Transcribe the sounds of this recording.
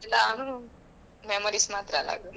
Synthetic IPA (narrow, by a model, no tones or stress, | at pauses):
laɦu | memoɾismat̪ɾala̰ɡu